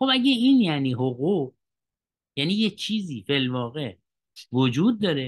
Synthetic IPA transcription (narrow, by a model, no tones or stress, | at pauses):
xobæɟeiːnjæniːɦoɣuːʁ | jæniːjet͡ʃʰiːziːfelvɒːɣe | vod͡ʒuːd̪̚ːɒːɾe